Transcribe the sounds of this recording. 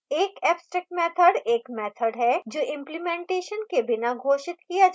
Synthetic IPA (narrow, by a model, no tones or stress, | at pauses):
eːkɛːpsʈɾək̚ʈmɛːt̪ʰəɖeːkmɛːt̪ʰəɖɦɛd͡ʒoːʔɪ̃mplimẽːɳʈeːʃənkebɪnaɡʱoːʃɪt̪kijad͡ʒ